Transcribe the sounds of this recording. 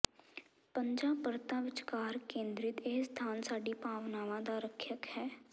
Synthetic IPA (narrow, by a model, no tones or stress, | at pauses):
pəɲd͡ʒaːbəɾt̪ãːʋɪt͡ʃkaːɾkẽːnd̪ɾɪt̪ɪɦst̪ʰaːnsaːɖipaːʋnaːʋãd̪aɾəkʰjəkhɛː